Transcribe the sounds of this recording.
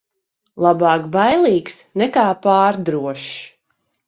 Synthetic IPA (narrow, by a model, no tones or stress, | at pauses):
lˠabɑːkbajlˠiːksnɛkaːpaːɾd̪ɾuɔʃ